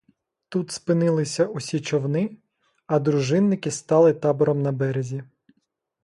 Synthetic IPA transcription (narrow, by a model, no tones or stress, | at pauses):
t̪ut̪spɪnɪlˠɪsʲɐusʲit͡ʃɔwnɪ | ɐd̪ɾʊʒɪnːɪkɪst̪ɑlˠɪt̪ɑbɔɾɔmnɐbɛɾezʲi